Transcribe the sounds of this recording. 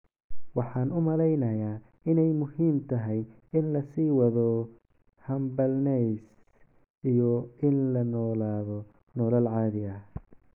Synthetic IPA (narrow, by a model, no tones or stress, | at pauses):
wɑħɑːnʊmɐlɛjnɐjaː | ɪnɛjmʊhiːmt̪ʰɐɦɛj | ɪnlɐsiːwɐðɔ | hɐmbɐlnɛjs | ijɔɪnlɐnɔːlaːðɔ | nɔːlɐlʕɑːðɪɐ